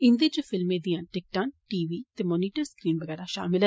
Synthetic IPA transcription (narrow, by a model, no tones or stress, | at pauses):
ɪnd̪eːd͡ʒefʰɪlmẽːd̪ijãːʈɪk̚ʈãːʈiːʋiːt̪eːmɔːniːʈəɾskɾiːnʋəɡɛːɾaʃa̰ːmɪlɦ